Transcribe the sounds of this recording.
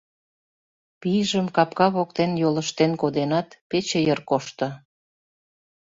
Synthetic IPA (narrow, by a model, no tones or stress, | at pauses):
pijʒəmkɑpkɑβokt̪enjoləʃt̪enkod̪enɑt̪pet͡ɕejərkoʃt̪ə̆